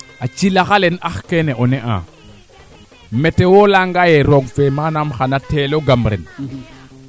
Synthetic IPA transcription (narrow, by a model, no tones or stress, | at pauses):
at͡ʃilaxalenaxkeneʔoneʔã̰ | metewolaŋɡajeɾoɡfemanamxanateloɡamɾḛn